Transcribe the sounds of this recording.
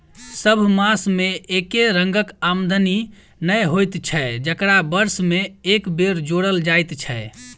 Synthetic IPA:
səbʱmasmeʔekeɾəŋɡəkamd̪ʱəni | nəjɦojt̪t͡ʃʰɛd͡ʒəkɾabəɾsmeekbeɾd͡ʒoɽəld͡ʒajt̪t͡ʃʰɛ

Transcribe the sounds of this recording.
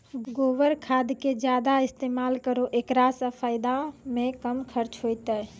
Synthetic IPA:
ɡoːʋəɾkʰad̪ked͡ʒjad̪aɪst̪emalkəɾoʔekɾasə̃pʰaɪd̪amẽkəmkʰəɾt͡ʃɦojt̪ɛ

